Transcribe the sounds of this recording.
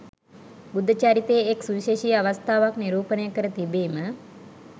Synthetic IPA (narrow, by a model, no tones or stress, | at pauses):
bud̪ʱət͡ʃaːɾit̪eːeksuʋiʃeːʃiːaʋəst̪ʰaːʋakniɾuːpənəjəkəɾət̪ibeːmə